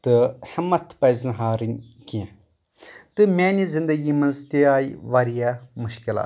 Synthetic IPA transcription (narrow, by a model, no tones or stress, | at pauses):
t̪ɨhɐmːɐt̪ʰpɐjzɨnɦaːɾɨnʲ | kiã | t̪ɨmʲɛːnizɪnd̪əɡiːmɐnzt̪eaːiʋaːɾijamʊʃkɪla̰